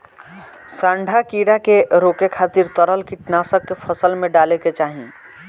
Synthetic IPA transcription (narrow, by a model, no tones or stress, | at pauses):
sãːɳɖʱakiːɽakeɾoːkekʰaːt̪ɪɾt̪əɾəlkiʈnaːsəkːepʰəsəlmẽɖaːleket͡ʃaːɦĩ